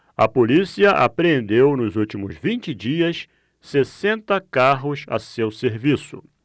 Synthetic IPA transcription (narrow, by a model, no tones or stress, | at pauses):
ɐpolisiɐʔa̰pɾẽnd̪ewnʊzuwt͡ʃimʊzvĩnt͡ʃɪd͡ʒiɐs | sesẽnt̪ɐkaɦʊsɐ̰sewseɾvisʊ̰